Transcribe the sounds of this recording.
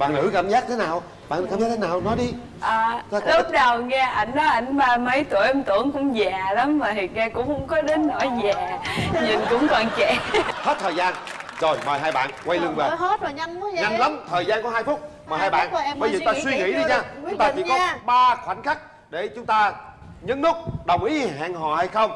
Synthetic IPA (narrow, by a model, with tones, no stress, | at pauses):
ɓa̰ː˧˨nlɨ̰˧˥ka˧˩mzaː˦˥t̚t̪ʰe˨˦naː˨˩w | ɓa̰ː˧˨n˧kaː˧mzaː˦˥e˦naː˨˩wnɔ˨˦jɗi˧ | ʔəː˨˩˧lʊ˦˥p̚ɗə˨˩wŋɛ˧ʔa˧˩jŋ̟ɗɔ˨˦ʔa˧˩jŋ̟ɓaː˧mə˨˦jt̪u˧˩əjt̪wə̰˧˩əŋkʊ˧˥ŋ͡mzaː˨˩la˨˦mmaː˨˩t̪i˨˩ŋɛ˧kʊ̰˧˥ŋ͡mhə̰˧˥˦wŋ͡mkɔ˨˦ɗe˨˦nːo̰˧˩jzaː˨˩ɲɨ˨˩ŋkʊ̰˧˥wŋ͡mkɔ˨˩nt͡ɕɛ̰˧˩he˦˥t̚t̪ʰəː˨˩jzaː˧nzo˨˩jmɔ̰˨˩jɦaː˧jɓa̰ː˧˨nkwa˧jlɨ˧əve˨˩˨ɦo˦˥t̚o˨˩jɲa˧ŋ˨˦ɲa˧ŋla˨˦mt̪ʰəː˨˩jzaː˧nkɔ˨˦ɦaː˧jfʊ˦˥k͡p̚ | mɔ˨˩jɦaː˧jɓa̰ː˧˨n˨˩˧ɓə˧jt̪aː˧swi˧ŋḭ˧˥ɗi˧ɲaː˧˩ʊ˧˦ŋ͡mt̪aː˧t͡ɕḭ˧˦kɔ˨˧ɓaː˧kwa˧˩jŋ̟xa˦˥k̚ | ɗe˧˩t͡ɕʊ˨˦ŋ͡mt̪aː˧ | ɲɨ˨˧˦nnɨ˦˥k̚ɗə˨˩wŋ͡mʔi˨˦ha̰ː˧˨ŋɦɔ̰˧˨ha˧jxə˧wŋ͡m